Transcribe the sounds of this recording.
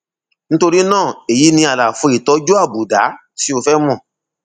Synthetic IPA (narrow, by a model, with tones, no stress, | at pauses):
ñ̩˦to˧ɾi˦nãː˦˨e˨ji˨˦nĩ˧a˨la˨fo˧˦i˨tɔ˨˦d͡ʒu˦a˦˨bu˨da˨˦ | ti˦o˧fɛ˦mɔ̃˦˨